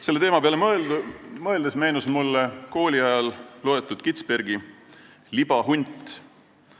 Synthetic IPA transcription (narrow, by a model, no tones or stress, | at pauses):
se̞lːe̞t̪eːmɑpeɑle | mɤe̞ld̪esme̞ːnusmulːeko̞ːlʲiɑjɑllo̞et̪ːˑud̪̥kit̪spe̞rɡi | lib̥ɑɦunʲt̪ˑ